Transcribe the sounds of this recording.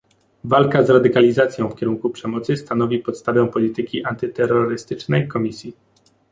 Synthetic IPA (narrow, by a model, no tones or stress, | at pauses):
valkazɾad̪ɘkalʲizat̪sʲjɔ̃w̃fkʲɛɾuŋkupʂɛmɔt̪sɘst̪anɔvʲipɔt̪st̪avɛ̃pɔlʲit̪ɘkʲiʔant̪ɘt̪ɛɾːɔɾɘst̪ɘt͡ʂnɛjkɔmʲisʲji